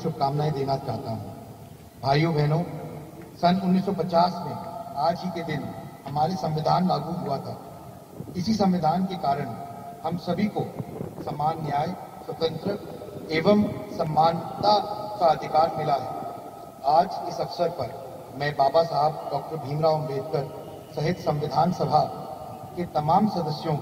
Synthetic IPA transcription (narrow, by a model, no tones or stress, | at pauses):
sʊb̚kaːmnaːid̪eːnat͡ʃaːɦt̪aɦṵ̃ː | bʱaːjobʱɛːnõ | sɐnʊnːiːsːɔpɐt͡ʃaːsmẽaːd͡ʒɦiked̪ɪnhɐmaːɾesɐ̃mʋɪd̪ʱaːnlaːɡuɦuat̪ʰa̰ː | ɪsisɐ̃mʋɪd̪ʱaːnkekaːɾəɽ̃hɐmsɐbʱikosɐmːaːnːjaːj | swɐt̪ə̃nt͡ʃɾə | eːʋəmsɐ̃mːaːnt̪akaɐd̪ʱɪkaːɾmɪlaɦɛ̰ː | aːd͡ʒɪsɐfsəɾpɐɾ | mɛ̃ːbaːbasaɦəb̚ɖɔːk̚ʈəɾbʱĩːmɾaːʋʊmɾeːd̪̚kəɾ | sɐɦɪt̪sɐ̃mʋɪd̪ʱaːnsɐbʱa | ket̪ɐmaːmsɐd̪əsjõ